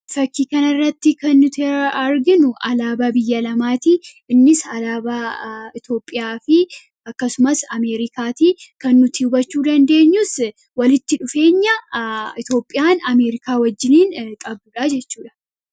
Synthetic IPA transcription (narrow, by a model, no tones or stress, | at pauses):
fɐkːiːkɐnɐrːɐt̪ːɪkɐnːʊt̪ɪɐɾɡɪnʊʔɐlaːbabɪjːɐlɐmaːt̪iː | ɪnːɪsɐlaːbaːɪt̪o̞ːpʼːɪjaːfɪ | ɐkːɐsʊmɐsɐme̞ːɾɪkaːt̪iːkɐnːʊt̪ɪʊbɐt͡ʃːuːd̪ɐnd̪e̞ːɲːʊs | wɐlɪt̪ːɪᶑʊfe̞ːɲːɐɪt̪o̞ːpʼːɪjaːnɐme̞ːɾɪkaːwɐd͡ʒːɪniːŋkʼɐbuːᶑad͡ʒɛt͡ʃːuːᶑɐ̥